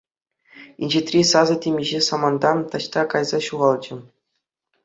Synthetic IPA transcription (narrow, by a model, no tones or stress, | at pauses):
ḭnʲd͡ʑet̪rʲisɑzɤ̆tʲemʲiʑesɑmɑnd̪ɑt̪ɑɕt̪ɑkɑjzɑɕuʁɑlˠd͡ʑɘ̆